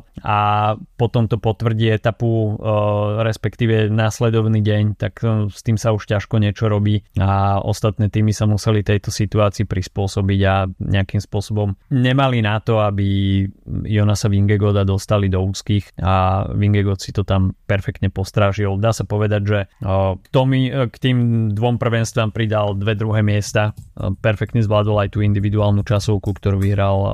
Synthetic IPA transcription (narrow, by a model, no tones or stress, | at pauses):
apɔt̪ɔmt̪ɔpɔt̪ʋr̩ɟiːɛt̪apu | ɾɛspɛkt̪iːʋɛnaslɛd̪ɔʋniːɟɛɲt̪akst̪iːmsauʃcaʃkɔɲɛt͡ʃɔɾɔbiːaɔ̰st̪at̪nɛːt̪iːmisamusɛlit̪ɛjt̪ɔsit̪uaːt͡siːpɾispʊɔsɔbiɟaɲʔɛ̰akimspʊɔsɔbɔmɲɛmalinat̪ɔabi | jɔnasaʋiŋɡɛɡɔd̪ad̪ɔst̪alid̪ɔuːt͡skiːxaʋiŋɡɛɡɔt̪si̥t̪ɔt̪ampɛɾfɛk̚t̪ɲɛpɔst̪ɾaːʒild̪aːsapɔʋɛd̪aɟʒɛt̪ɔmikt̪iːmd̪ʋɔmpr̩ʋɛnst̪ʋaːmpɾid̪ald̪ʋɛd̪ɾuɦɛːmɪɛst̪apɛɾfɛk̚t̪ɲɛzʋlaːd̪ɔlajt̪uːind̪iʋid̪uaːlnut͡ʃasɔʊkukt̪ɔɾuːʋiɦɾal